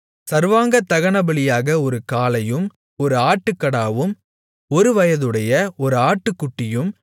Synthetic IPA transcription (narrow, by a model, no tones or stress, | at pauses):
sɐɾʋaːŋɡɐt̪ːɐɣɐɳɐbɐɭɪjaːɣɐɔɾɯkaːlɐjɯm | ɔɾɯaːʈːɯkːɐɽaːʋɯm | ɔɾɯʋɐjɐðɯɽɐjɐɔɾɯaːʈːɯkːʊʈːɪjɯm